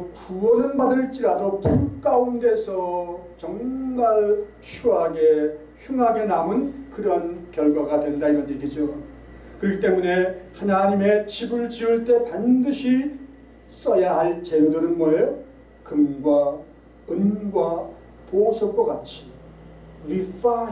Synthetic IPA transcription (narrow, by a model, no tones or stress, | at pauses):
kuwʌnɯnbadɯɭt͡ɕ͈iɾadopimk͈aunde̞sʰʌt͡ɕʌŋmaɭ | t͡ɕʰuɦaɡe̞ | çjuŋɦaɡe̞namɯnkɯɾʌnkjʌɭɡwaɡadwe̞ndaiɾʌneɡid͡ʑo | kɯɾit͈e̞mune̞hanaɲime̞t͡ɕibɯɭt͡ɕiɯɭt͈e̞pandɯɕʰi | s͈ʌjaɦaɭt͡ɕe̞nudɯɾɯnmʌo | kɯmɡwa | ɯnɡwa | posʰʌkwʌkat͡ɕʰi̥ | if͈a